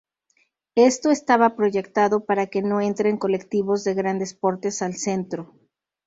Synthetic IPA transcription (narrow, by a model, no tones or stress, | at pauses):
e̞st̪o̞est̪aβapɾo̞ʝe̞kt̪aðo̞paɾake̞no̞e̞nt̪ɾe̞ŋko̞le̞kt̪iβozðe̞ɣɾand̪e̞spo̞ɾt̪e̞salse̞nt̪ɾo̞